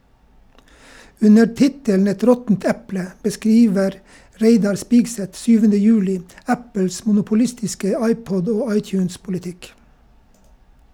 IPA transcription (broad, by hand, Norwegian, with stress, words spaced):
ˈʉnə ˈtɪtəln̩ ˈɛt ˈɾɔtn̩t ˈɛplə bəˈskɾiːʋəɾ ˈɾeɪdɑɾ ˈspiːɡˌsɛt ˈsyːʋənə ˈjʉːlɪ ˈæpəls mʊnʊpʊˈlɪstɪskə ˈɑɪˌpɔd ˈoː ˈɑɪˌtjʉːnspʊlɪˌtɪk